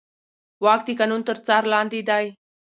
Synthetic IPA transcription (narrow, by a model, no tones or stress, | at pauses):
waːkt̪ikanunt̪əɾt͡saɾlãːnd̪iːd̪aj